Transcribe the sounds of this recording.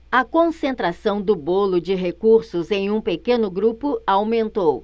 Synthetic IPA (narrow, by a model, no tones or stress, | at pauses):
ɐkõsẽnt̪ɾasɐ̃w̃d̪ʊbolʊd͡ʒɪɦekuɾsʊzẽj̃ũpekẽnʊɡɾupʊawmẽnt̪ow